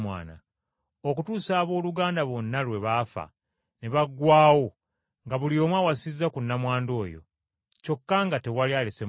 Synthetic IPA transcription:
mwa̰ːna̰ | okutuːsaːβo̞ːluɡaːndaβo̞nːalwe̞βaːfa̰ | neβaɡːwaːwo̞ | ŋɡaβulio̞ːmwawasizːakunːamwaːndo̞ːjo̞̰ | co̞kːaŋɡate̞walialese̞

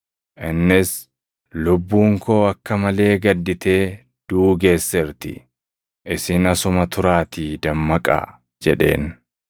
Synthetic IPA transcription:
ʔɪnːɪs | lʊbːuːŋko̞ːɐkːɐmɐle̞ːɡɐd̪ːɪt̪e̞ː | d̪̥uːɡe̞ːsːɛɾt̪ɪ̰ | ʔɪsɪnɐsʊmɐt̪ʊɾaːt̪iːd̪ɐmːɐkʼa̰ | d͡ʒɛ̰ᶑe̞̰ːn

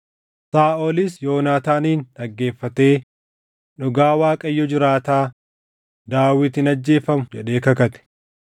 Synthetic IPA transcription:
saːʔolɪsjo̞ːnaːt̪aːniːnɐɡːe̞ːfːɐt̪e̞ː | nʊɡaːwaːkʼɐjːɔd͡ʒɪɾaːt̪aː | d̪aːwɪt̪ɪnɐd͡ʒːe̞ːfɐmʊd͡ʒɛɗe̞ːkɐkɐt̪ɛ̥

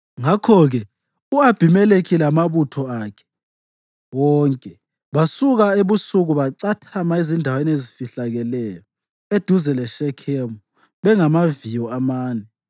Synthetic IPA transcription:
ŋakʰɔɣɛ | uab̥ʱimɛlekʰilamaβutʰɔakʰɛ̥ | wɔːŋkʼɛ | βasuɣaeβusuɣuβaǀatʰamaezindʱawenezifiɬaɣɛlɛjɔ | ed̥ʱuzɛlɛʃɛkʰemu | βɛŋamavijɔamaːnɛ

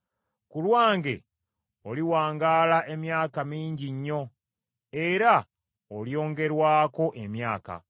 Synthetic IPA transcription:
kulwaːŋɡe̞̰ | oliwaːŋɡaːlaʔe̞mjaːkamiːɲɟiɲːo̞ | e̞ɾa | oljo̞ːŋɡe̞ɾwaːko̞ʔe̞mjaːka̰

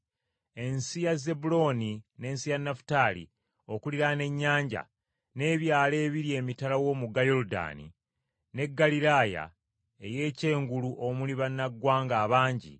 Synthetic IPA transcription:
e̞nsijaze̞bulo̞nine̞ːnsijanːafu̥taːlḭ | o̞kuliɾane̞ɲːaːɲɟa̰ | ne̞ːβjaːle̞ːβiɾie̞ːmitalawo̞muɡajoɾuda̰ːnḭ | ne̞ɡːalilaːja̰ | e̞je̞ːce̞ːŋɡuluʔo̞muliβanːaɡwaːŋɡaːβaːɲɟḭ

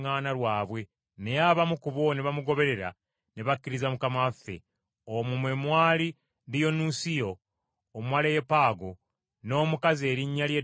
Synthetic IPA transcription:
ŋaːnalwaːβwe̞ | ne̞jaβamukuβo̞neβamuɡo̞βe̞ɾe̞ɾa̰ | neβakːiɾizamukamafe̞̰ | omumwemwaːli | dijo̞nusijo̞ː | mwalejepaːɡo̞ | no̞ːmukaze̞ːɾiɲːalje

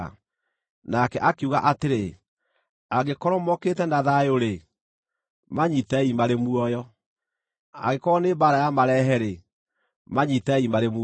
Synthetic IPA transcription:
nakɛʔakuɣa̰ʔateɾe | aɣekɔɾɔmɔketɛndaðaeoɾe | maɲitaimaɾemuɔjɔ | a̰ɣekɔnebaɾajamaɾɛɦɛɾe | maɲitaimaɾem

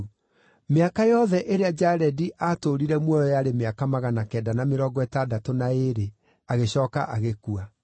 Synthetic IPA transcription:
meakajɔðɛʔeɾead͡ʒaɾɛdiʔatoɾiɾɛmwɔjɔjaɾemeakamaɣanakɛːdanameɾɔːɡɔɛtadatonaeɾe | aɣeɕɔːkaʔaɣekua

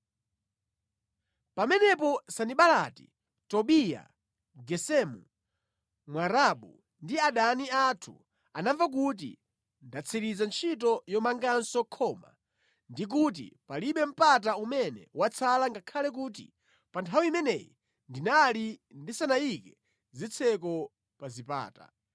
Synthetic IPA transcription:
pamɛnɛpɔsaniɓalatḭ | tɔɓija̰ | ɡɛsɛmu | mwaɾaɓu | ndiaɗaniatʰṵ | anavak̬ut̬ḭ | ndat͡sʰiɾizant͡ʃʰit̬ɔjɔmaŋɡansɔkʰɔːma̰ | ndik̬ut̬ḭpaliɓɛm̩pat̬aumɛnɛ̰wat͡sʰalaŋɡakʰalɛk̬uːt̬ḭ | pantʰawiimɛnɛjḭ | ndinalindisanaikɛ | zit͡sʰɛkɔ | pazipa̰ːta̰

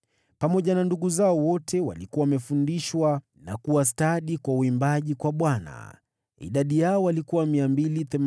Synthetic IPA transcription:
pamɔʄananduɠuzaɔwɔtɛwa̰likuwawamɛfundiʃwa | na̰kuwas̬taɗikwauimbaʄikwaɓwana̰ | ḭɗaɗijaɔwalikuwamiambiliθɛm

